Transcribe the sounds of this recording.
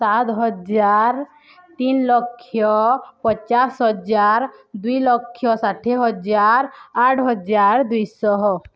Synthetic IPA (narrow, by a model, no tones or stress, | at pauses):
sat̪ɦɔd͡ʒaɾ | t̪inlɔkʰːjɔpɔt͡ʃasɦɔd͡ʒaɾd̪ujlɔkʰːjɔsaʈʰeɦɔd͡ʒaɾaʈʰɦɔd͡ʒaɾd̪ujsɔɦ